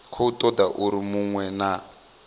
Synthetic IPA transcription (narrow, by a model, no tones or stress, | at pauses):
kʰɔutʼɔd̪aʔuɾimuŋwɛna